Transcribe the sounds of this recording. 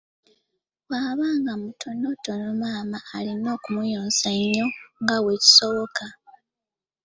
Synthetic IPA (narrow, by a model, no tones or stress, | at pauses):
waːβaːŋɡamutʰo̞no̞to̞nomaːmaːlino̞ːkumujo̞ːnsaɲːo̞ŋɡawe̞ci̥so̞βoka